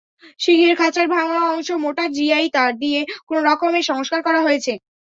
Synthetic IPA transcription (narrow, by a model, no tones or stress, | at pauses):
ʃiɦiɾkʰat͡ɕaɾbʱaŋaɔŋʃomoʈaɾd͡ʑiajt̪aɾd̪iekonoɾɔkomeʃɔŋoʃkaɾkɔɾaɦojet͡ɕʰe